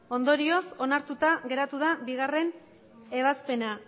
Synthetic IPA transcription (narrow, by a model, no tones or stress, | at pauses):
o̞nd̪o̞ɾio̞so̞naɾt̪ut̪aɣe̞ɾat̪uðabiɣ̞are̞n | e̞β̞aspe̞na